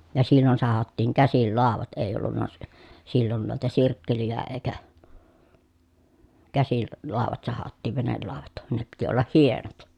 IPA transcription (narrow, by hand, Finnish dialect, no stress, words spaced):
jɑ silːon sɑhɑtːiːŋ kæsil lɑˑoʋɑt eˑi olːunːɑ si silːon nuitɑ sirkːelijæ eːkæ kæsil l lɑˑoʋɑt sɑhɑtːiˑ ʋenelːɑˑoʋɑt ne piti olːɑh hienot